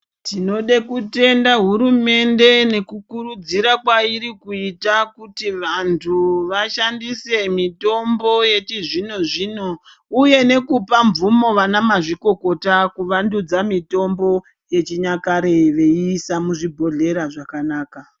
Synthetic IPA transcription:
tino̞ɗekute̞ndaɦuɾume̞nde̞ne̞kukuɾud͡ziɾakwaiɾikuitakutiʋantʰuʋaʃandise̞mito̞mbo̞je̞t͡ʃiʐino̞ʐiːno̞ | uje̞ne̞kupaɱvumo̞ʋanamaʐiko̞ko̞takuʋandud͡zamito̞mbo̞ | je̞t͡ʃiɲakaɾeʋe̞iːsamuʐibʱo̞ɮe̞ɾaʐakanaːka

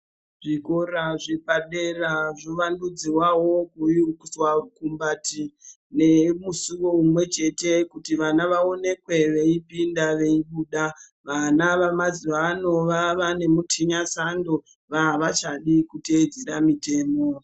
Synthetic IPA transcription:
ʐikoɾaʐe̞paɗe̞raʐoʋandud͡ziwawo̞kujiukuswaukumbati | ne̞musuʋo̞umwe̞t͡ʃe̞tekutiʋanaʋaone̞kwe̞ʋe̞ipindaʋe̞iɓuːɗa | ʋanaʋamaziʋano̞ʋaʋane̞mutʰiɲasando | ʋaɦaʋat͡ʃaɗikuted͡zeɾamite̞ːmo̞

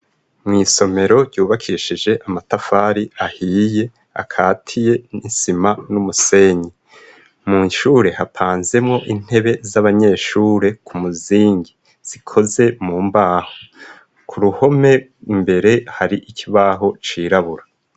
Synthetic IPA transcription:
mŋiːso̞me̞ɾo̞ɟɟuːβakʰiːʃid͡ʒe̞ʔamatafaːɾiahiːje̞ | a̰kʰaːtʰije̞nisimanumuse̞ːɲi | muʃuːɾe̞hapʰaːnze̞mŋo̞ʔin̥he̞βe̞zaβaɲe̞ːʃuːɾe̞kʰumuziːŋɡi | z̥ikʰo̞ze̞muːmbaːho | kʰuɾuho̞me̞mbe̞ɾe̞haɾiʔikʰiβaːɦo̞t͡ʃiːɾaβuɾa

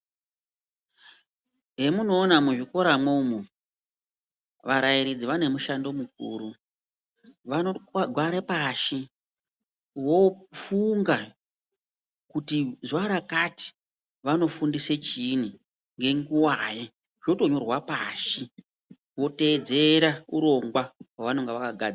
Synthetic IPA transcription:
ɦe̞muno̞ːnamuʐiko̞ɾamumu | ʋaɾaiɾid͡ziʋane̞muʃando̞muk̚ṵːɾu | ʋanoɡʱwaɾepaʃi | wofuŋɡa | kutiʐwaɾakati̥ | ʋano̞fundiset͡ʃini | ŋɡe̞ŋɡuwaje | ʐ̥o̞to̞ɲo̞rwapaʃi | wo̞te̞d͡ze̞ɾauɾo̞ŋɡwawaʋano̞ŋɡeʋakaɡʱad͡z

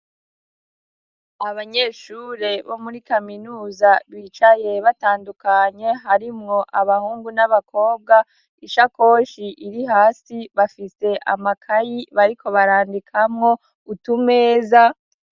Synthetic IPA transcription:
aβaɲe̞ːʃuɾe̞βo̞muɾikaminuːzaβiːt͡ʃaje̞βataːndukaɲe̞ɦaɾimŋo̞ʔaβahuːŋɡunaβakʰo̞ːbɡa | iʃako̞ʃiʔiɾiɦaːsiβafise̞ʔa̰makʰajiβaɾiko̞βaɾaːndikʰamŋo̞ | utume̞ːza

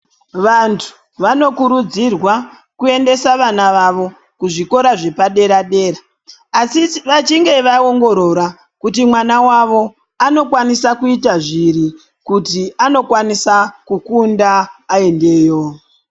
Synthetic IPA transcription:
ʋantʰu̥ | ʋano̞kuɾud͡zirwa | kue̞nde̞saʋanaʋaʋo̞ | kuʐiko̞ɾaʐe̞paɗe̞ɾaɗe̞ːɾa | asiʋat͡ʃiŋɡe̞ʋao̞ŋɡo̞ɾo̞ɾa | kutimwanawaʋo̞ | ano̞kwanisakuitaʐiɾi | kutiano̞kwanisakukundaːe̞nde̞ːjo̞

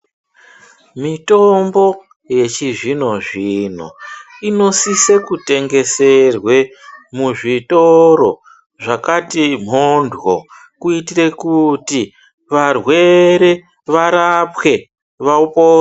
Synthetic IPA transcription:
mitombo̞ | je̞t͡ʃiʐino̞ʐin̤o̰ino̞sisekute̞ŋɡe̞se̞rwe̞muʐitoɾo̞ | ʐakatim̤ondʱwo̰ | kuitire̞kuti | ʋarwe̞ɾe | ʋaɾapwe̞ | ʋaupoː

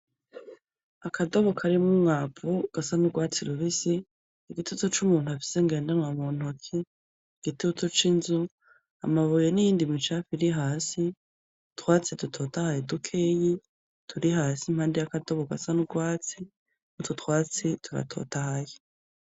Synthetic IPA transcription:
akʰadoβokʰaɾimumŋaːpuɡ̥asanuɡwaːt͡siɾuβisiː | ɡitiutot͡ʃumuːn̥uafi̥seŋɡe̞ːndanwamun̥okʰe | ɡ̥itiutot͡ʃinzu | a̰maβojenijiːndimit͡ʃafiɾiɦaːsi | txwaːt͡sidutʰo̞ːtahajedukʰeːji | tʰuɾiɦaːsimhaːndejakadoβoɡa̰sanuɡwaːt͡si | mutʰutwaːt͡sitʰuɾa̰tʰo̞̰ːtahaje

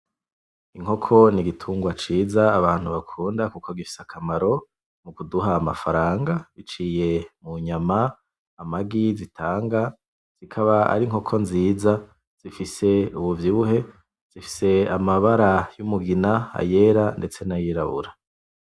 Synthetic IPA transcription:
iŋɦo̞kʰo̞niɡitʰuːŋɡwat͡ʃiːzaːβaːn̥huβakʰuːndakukʰoɡifi̥sakʰamaɾo̞ | mukuduɦaːma̰faɾaːŋɡait͡ʃije̞muɲama | amaɡizitʰaːŋɡa | z̥ikʰaβaa̰ɾiŋho̞kʰo̞nziːza | z̥ifise̞uβuvjuuɦe̞ | z̥ifi̥se̞amaβaɾajumuɡinaa̰je̞ːɾande̞t͡se̞najiɾaβṵɾa

